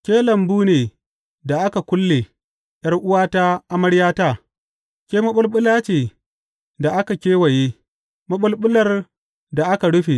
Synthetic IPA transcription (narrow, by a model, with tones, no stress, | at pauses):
kʲeː˦lɐ˨mbuː˦neː˨ | da˨ʔa˦ka˨kʷʊ˦lːe˨ | j̰ɐ˦rʔʊ˦waː˦ta˦ʔa˦mɐ˦ɽjaː˦taː˦ | kʲeː˦mɐ˦ɓʊ˦lɓʊ˦laː˦t͡ʃeː˨ | da˨ʔa˦ka˨kʲeː˦wa˨je˦ | mɐ˦ɓʊ˦lɓʊ˦lɐ˨r | da˨ʔa˦ka˨ɽʊ˦ɸe˨